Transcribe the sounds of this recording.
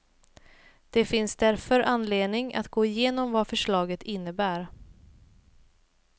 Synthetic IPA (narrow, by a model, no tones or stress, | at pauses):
d̪̥ɛfɪnsd̪æɾfœɾʔanːleːd̪nɪŋa̰t̪ɡoːɪjeːnɔmvafœʂɭɑːɡət̪ʰɪnːəbæːɾ